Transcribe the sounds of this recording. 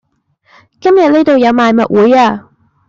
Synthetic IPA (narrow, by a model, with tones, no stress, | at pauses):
kɐ˥mjɐ˨t̚ne˥t̪o˨wjɐ˨˧wmaː˨˧jmɐ̰˨t̚wuː˨˧jaː˧